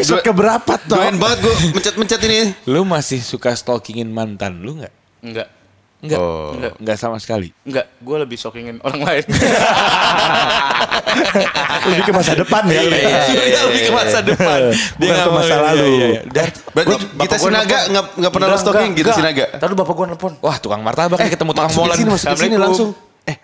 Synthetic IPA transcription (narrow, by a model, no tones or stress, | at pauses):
sɔkəbəɾapat̪ːɔnbaŋət̪̚ɡuaməɲt͡ʃat̪̚məɲt͡ʃat̪inilumasɪhsukast̪okɪŋɪnmant̪anluŋɡaʔ | əŋɡaʔ | ŋɡaɡaŋɡaʔsamasə̥kalḭŋɡaʔɡualəbɪhst̪okɪŋɪnoɾaŋlaɪn | ləbɪhkəmasadəppanaək̪aləbɪkəmasadəpanbiamasalaludan | bɾaibip̪asɡianaɡaŋɡaŋɡaʔpənaast̪oɪŋkitɡ̪aasinaɡat̪alubapaɡuanləpʊnwaht̪ukaŋmart̪abakkət̪əmut̪uakamɔlainimasʊsinilasʊŋ | ɛh